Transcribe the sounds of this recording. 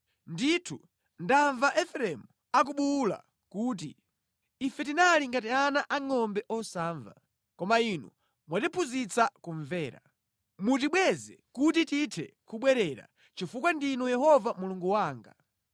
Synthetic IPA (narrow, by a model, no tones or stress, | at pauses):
nditʰu | ndaɱvaʔɛfɛɾɛmu | ak̬uɓula̰ | kuːt̬ḭː | fɛtinaliŋɡat̬ianaʔaŋɔmbɛʔɔsaːɱva̰ | kɔmainṵ | mwatipʰuzit͡sakuɱvɛːɾa | mut̬iɓwɛzɛ̰kutititʰɛ̰kuɓwɛɾɛɾa̰ | t͡ʃifukwandinujɛhɔvamuluŋɡuwaːŋɡa